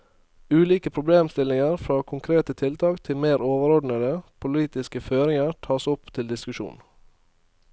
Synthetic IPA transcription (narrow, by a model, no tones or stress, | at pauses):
ʉːliːkəpʰɾʊbleːmst̪ɪlɪŋəɾfɾɑːkʰʊŋkʰɾeːt̪ət̪ʰɪlt̪ʰɑːkt̪ʰɪlmeːɾoːʋəɾɔɖɳ̩əd̪əpʰʊliːt̪ɪskəføːɾɪŋəɾt̪ʰɑːsʊpt̪ʰɪld̪ɪskʉʃṵːn